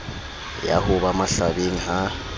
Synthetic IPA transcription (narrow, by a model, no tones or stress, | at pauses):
ja̰hʊβamaɬaβeŋ̩ɦa